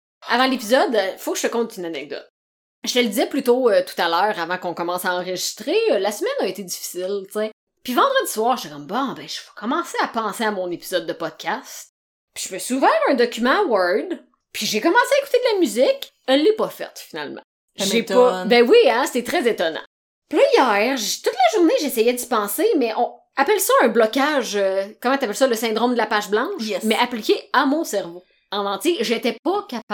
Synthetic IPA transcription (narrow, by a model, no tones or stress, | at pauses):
avɑ̃lepʲizɔd̪fokəʒ̥ə̥fɛkɔ̃t̪ynanɛɡ̚d̪ɔ̰t̪̚ | ʒ̥əəld̪izɛplyt̪oøt̪u̥t̪alœːʁavɑ̃kɔ̃kɔmɑ̃saɑ̃ʁəʒist̪ʁelasəmɛnəet̪edd͡zifi̥sɪlt͡se | pɥivɑ̃d̪ʁəd̪ziswɑːʁʒt̪ɛkɔmbɔ̃bɛ̃ʒ̥əv̥ʌkɔmɑ̃seapɑ̃seamɔ̃nepizɔd̪ːəpɔd̪̥̚kʰʲast̪ | pi̥ʒ̥əpøsuvãɛ̃d̪ɔkʲymɑ̃wa˞d̪ | pʰiʒekɔmɑ̃seaeku̥t̪ed̪əlamyzɪk | ɛlːɛpɔfɛ̰t̪fina̰lmɑ̰̃ | ʒetpɔbɛ̃wiãst̪ɛt̪ʁɛzet̪ɔnɑ̰̃ | plʌijɛːʁʒt̪ʊt̪laʒuʁneʒesɛjɛd̪ipɑ̃ːsemɛʔɔ̃ | apɛlsʌɛ̃blɔkaʒøkɔmɑ̃t̪yapɛlsʌləsɛ̃d̪ʁomd̪əlapaʒblɑ̃ʃʃmɛʔaplikʲeamɔ̃sɛʁvo | ɑ̃nɑ̃t̪jeʒet̪ɛpʌkap